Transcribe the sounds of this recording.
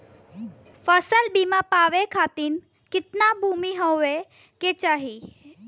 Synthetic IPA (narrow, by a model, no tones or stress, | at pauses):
fəsəlbiːmãpaːʋekʰaːt̪in | kɪt̪nabʱuːmiɦoʋe | ket͡ʃaːɦi